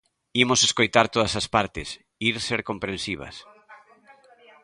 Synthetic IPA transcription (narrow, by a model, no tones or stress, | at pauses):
imoseskojt̪aɾt̪oðɐsɐspaɾt̪ɪ̰s | iɾseɾkompɾẽnsiβ̞ɐ̰s